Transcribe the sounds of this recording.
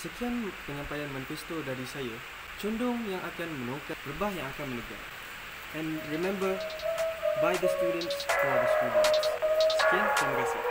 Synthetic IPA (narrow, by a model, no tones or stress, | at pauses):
səkianpəɲãmpajanmãnifɛst̪odaɾisaja | t͡ʃɔndʊŋjãŋʔakanmə̃nõkatɾəbahjãŋakanmə̃nəɡa̰ | ɛ̃nɹimɛ̃mbə | bajdəst̪udə̃ntsɔd̪əst̪udə̃nssə̥kiantaməkasḭ